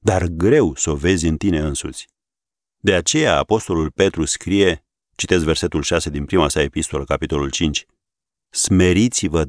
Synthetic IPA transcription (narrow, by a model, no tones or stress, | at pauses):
d̪arɡɾe̞wso̞ve̞zʲɨnt̪ine̞ɨnsut̪sʲ | d̪e̞at͡ʃe̞jaːpo̞st̪o̞lulpe̞t̪ɾuskɾije̞ | t͡ʃit̪e̞sve̞rse̞t̪ulʃase̞d̪inpɾimasae̞pist̪o̞ləkapit̪o̞lult͡ʃint͡ʃʲ | sme̞ɾit̪sivə